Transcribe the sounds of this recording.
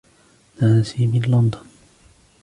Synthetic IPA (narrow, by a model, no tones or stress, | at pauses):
naːsimɪnlɔnd̪ʊn